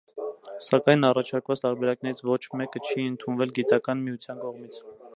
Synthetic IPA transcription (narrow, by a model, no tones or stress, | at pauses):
sɑkɑjnɑrɑt͡ʃʰɑɾkvɑt͡st̪ɑɾbɛɾɑknɛɾit͡sʰvɔt͡ʃʰmɛkət͡ʃʰiənt̪ʰunvɛlɡit̪ɑkɑnmiut͡sʰjɑnkɔʁmit͡sʰ